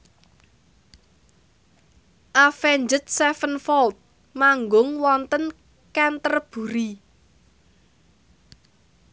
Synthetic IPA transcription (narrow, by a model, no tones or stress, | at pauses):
ʔafɛɲd͡ʒət̪̚sɛfənfɔlt̪̚ | maŋɡʊŋwɔnt̪ən | kɛnt̪ərb̥ṳɾi